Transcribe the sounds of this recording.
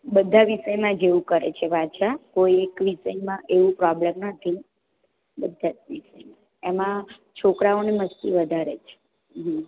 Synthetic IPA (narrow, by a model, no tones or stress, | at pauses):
bəd̪ʱaʋiʃəjmãd͡ʒeʋũkəɾḛt͡ʃʰeʋʱaʃakoiekʋiʃəjmãʔeʋũpɾɔblemnət̪ʰi | bəd̪ʱːad͡ʒʋiʃəjmã | emã | t͡ʃʰokɾaoneməst̪iʋəd̪ʱaɾet͡ʃʰe̥ | ɦ̩